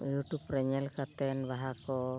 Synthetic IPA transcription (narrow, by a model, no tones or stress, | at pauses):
juʈupɾeɲelkat̪enʋaɦakɔ